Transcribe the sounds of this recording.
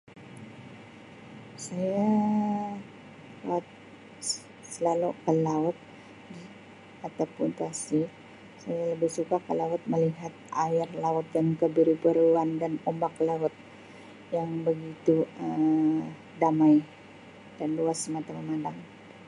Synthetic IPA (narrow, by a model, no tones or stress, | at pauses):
saja | kat̪̚ | səlalukəlaʊt̪̚ | di | at̪apunt̪asi | sajaləbɪhsukakəlaʊt̪̚məliɦat̪̚ʔaɪrlaʊt̪̚dankəbəɾipəɾuandanombaklaʊt̪̚ | jaŋbəɡit̪uə | damaj | d̥anluasːəmat̪aməmadaŋ